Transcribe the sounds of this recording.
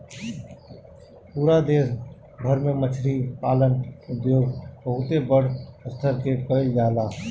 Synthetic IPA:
puːɾad̪eːs | bʱəɾmẽmət͡ʃʰɾiːpaːlənʊd̪joːɡbəɦʊt̪ebəɽ̤əst̪ʰəɾkekəɪld͡ʒaːlaː

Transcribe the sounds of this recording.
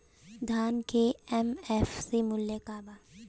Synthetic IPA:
d̪ʱaːnkeɛmɛfsimʊljekaːbaː

